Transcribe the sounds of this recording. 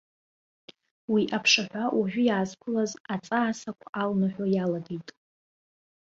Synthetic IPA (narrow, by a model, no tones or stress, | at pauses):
wiʔapʰʂaħʷawʔaʒʷᶣʊjaːzkʷʰʊlazat͡sʼaːsakʷʰaʔalnaħʷᶣojalaɡejtʼ